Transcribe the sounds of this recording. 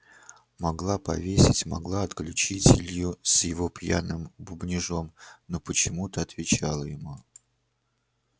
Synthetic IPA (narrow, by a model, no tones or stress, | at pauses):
mɐɡlˠapɐ̰vʲesʲɪtʲmɐɡlˠaɐt̪klʲʉt͡ɕitʲɪlʲjʊsjɪvopjanɨmbʊbnʲɪʐo̞mnopət͡ɕɪmut̪əɐt̪vʲɪt͡ɕalˠəjɪmu